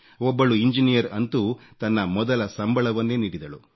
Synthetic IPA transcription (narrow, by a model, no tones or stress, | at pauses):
ɔbːɐɭuiɲd͡ʒinijɐɾɐnt̪ut̪ɐnːɐmɔd̪ɐlɐsɐmbɐɭɐʋɐnːeːniːɽid̪ɐɭu